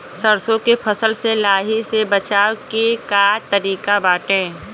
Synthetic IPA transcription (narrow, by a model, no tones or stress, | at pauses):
səɾsõkepʰəsəlselaːɦisebət͡ʃaːkekaːt̪əɾiːkabaːʈẽː